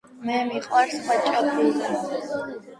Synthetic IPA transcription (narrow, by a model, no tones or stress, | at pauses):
mɛmiqʼwaɾsχwat͡ʃʼɔbʰizɛ